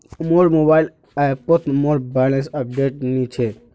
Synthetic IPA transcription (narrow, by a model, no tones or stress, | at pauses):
moːɾmobaɪl | ajpot̪moɾbaːlənsəp̚ɖeːʈ̚nit͡ʃʰe